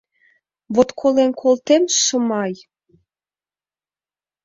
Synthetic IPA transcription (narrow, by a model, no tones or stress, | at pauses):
βot̪kʰolenkʰolt̪emʃə̆mɑj